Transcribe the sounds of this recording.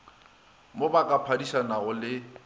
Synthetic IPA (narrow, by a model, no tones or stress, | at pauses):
mobakʼapʰadiʃanaɣʊlɪ